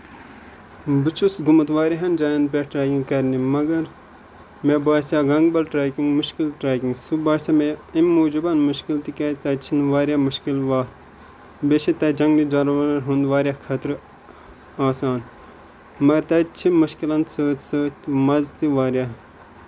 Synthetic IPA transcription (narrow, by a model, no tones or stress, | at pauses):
bɨt͡ʃʰusɡumɨt̪ʋaːɾʲiɦɐnd͡ʒaːjɐnd̪̚peʈʈɾaːkĩŋɡkɐɾnimɐɡɐɾ | mebaːsjaɡɐŋɡbɐlʈɾaːkiŋɡmʊʃkilʈɾaːkiŋɡsubaːsameimmoːd͡ʒubɐnmʊʃkilt̪ikɐt̪ɐt͡ʃʰinʋaːɾʲjaːmuʃkilʋat̪ | beʃit̪ɐd͡ʒɐŋɡnid͡ʒɐɾʋɐnɐɾɦund̪ʋaːɾʲjakʰɐt̪ɾ | aːsaːn | mɐɡɐɾt̪ɐt͡ʃʰimuʃkilɐnsəːt̪səːt̪mɐzt̪iʋaːɾjaɦ